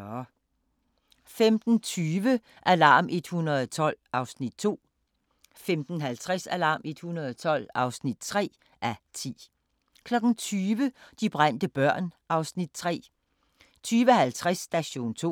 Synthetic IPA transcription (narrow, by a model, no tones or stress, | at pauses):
femd̥n̩t͡sʰyːʋə | ʔælɑ̈ːmʔe̝d̥hunɐð̩ˠɒt͡sʰɒ̽l̰ɑ̈ʊsnid̥̚t͡sʰo̝̰ː | femd̥n̩ɦælt͡sʰʁɛsælɑ̈ːme̝d̥hunɐðˠɒt͡sʰɒ̽l̰ɑ̈ʊsnid̥̚t͡sʰʁɛ̰ː | ʔæt͡sʰḭː | kʰlɒ̽ɡ̥n̩t͡sʰyːʋəd̥ib̥ʁan̰d̥əb̥ɶɐ̰nʔɑ̈ʊsnid̥̚t͡sʰʁɛ̰ː | t͡sʰyːʋəhælt͡sʰʁasːd̥æɕo̝̰ːnt͡sʰo̝̰ː